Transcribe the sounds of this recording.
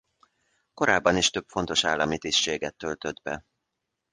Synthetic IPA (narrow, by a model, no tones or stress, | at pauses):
ko̞ɾaːbːɒniʃt̪ø̞pfo̞nt̪o̞ʃaːlːɒmit̪ist͡ʃeːɡɛt̪ːølt̪ød̪bɛ